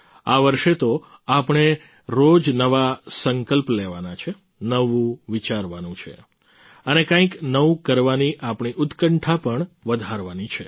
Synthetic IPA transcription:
aʋəɾʃet̪oapɳ̃e | ɾod͡ʒnəʋasəŋkəlpleʋanat͡ʃʰe | nəʋũʋit͡ʃaɾʋanũt͡ʃʰḛ | ənekãĩknəʋũkəɾʋaniʔapɳ̃iʔʊt̪kəɳʈʰapəɳʋəd̪ʱaɾʋanit͡ʃʰe

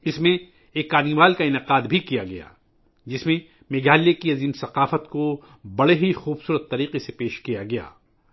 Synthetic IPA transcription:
ɪsmẽ | eːkːaːniːʋaːlkaɪnɪqaːd̪bʱikijaɡɐja̰ː | d͡ʒɪsmẽ | meːɡaːlekiɐziːmsɐqaːfət̪ko | bɐɽeɦixuːbsuːɾət̪ːɐɾiːqesepeːʃkijaɡɐja̰ː

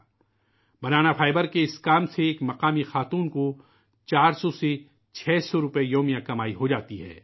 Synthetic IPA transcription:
bɐnaːnafʰaːɪbəɾkeɪskaːmseːkmɐqaːmixaːt̪uːnko | t͡ʃaːɾsɔse | t͡ʃʰɛːsɔɾʊpejoːmijãkɐmaːiɦod͡ʒaːt̪iɦɛ̰ː

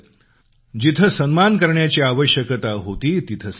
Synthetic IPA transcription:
d͡ʑit̪ʰəsənmankəɾɳjat͡ɕiaʋəɕjəkət̪aɦot̪iːt̪it̪ʰəs

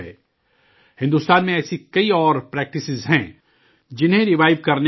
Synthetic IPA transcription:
ɦɛ̰ː | hɪ̃nd̪uːst̪aːnmẽɛːsikɐiɔːɾpɾɛːk̚ʈɪsɪzɦɛ̃ | d͡ʒɪnɦẽɾɪʋaːɪʋkɐɾne

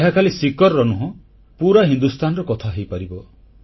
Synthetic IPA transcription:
eɦakʰalisikɔɾɔnuɦɔ̃ | puɾaɦind̪ust̪ʰanɔɾɔkɔt̪ʰaɦejpaɾibɔ

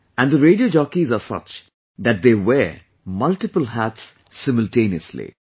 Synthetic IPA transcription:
æ̃nd̪əɾeːɖioːd͡ʒɔːkizasʌ̰t͡ʃ | d̪æʈ̚d̪eːʋɛ | mʌlʈɪpəlɦæʈsː | ɪməlʈẽːniə̰slḭ

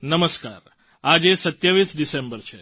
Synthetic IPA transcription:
nəməska̰ɾ | ad͡ʒesət̪jaʋisɖisembəɾt͡ʃʰe

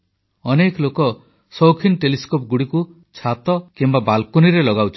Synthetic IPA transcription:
ɔnekɔlokɔ | sɔwkʰinʈeliskopɔɡuɽiku | t͡ʃʰat̪ɔkimbabalkoniɾelɔɡawt͡ʃʰi̥

